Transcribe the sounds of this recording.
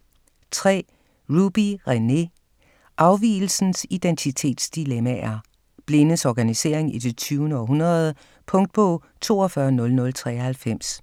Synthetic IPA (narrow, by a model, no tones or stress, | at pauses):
t͡sʰʁɛ̰ː | ʁub̥iʁene̝ | ʔɑ̈ʊʋḭːl̩sn̩sid̥ent͡sʰit͡sʰe̝̰ːd̥sd̥ilemææɐ | b̥le̝nəsɒɡ̥ænise̝ɐ̰e̝ŋid̥e̝t͡sʰyːʊnəɒ̽ɦunʁɐðˠə | pʰɔ̽ŋd̥̚b̥ɔ̰ː | t͡sʰo̝̰ːɒfɶɐnɔ̽lnɔ̽lt͡sʰʁɛ̰ːɐhælfem̰s